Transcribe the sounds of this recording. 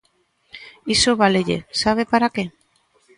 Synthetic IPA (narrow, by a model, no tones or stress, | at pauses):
isoβaleʎḛsaβ̞epaɾake